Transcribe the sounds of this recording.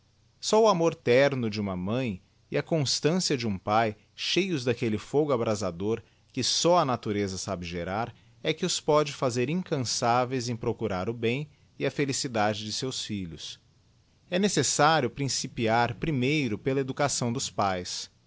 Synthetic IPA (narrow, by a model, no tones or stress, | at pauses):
sɔʊamoɾt̪ɛɾnʊd͡ʒɪũmɐmɐ̃j̃ | ɪɐkõst̪ɐ̃siɐd͡ʒɪũpaj | ʃejʊzd̪ɐkelɪfoɡʊabɾʔazad̪oɾ | kɪsɔɐnat̪uɾezɐsabɪʒeɾaɾ | ɛkɪʊspɔd͡ʒɪfazeɾĩŋkɐ̃savejzẽj̃pɾokuɾaɾʊbẽj̃ | ɪɐfelisid̪ad͡ʒɪd͡ʒɪsewsfiʎʊs | ɛnesesaɾjʊpɾĩsipiaɾpɾimejɾʊpelɐed̪ukasɐ̃w̃d̪ʊspajs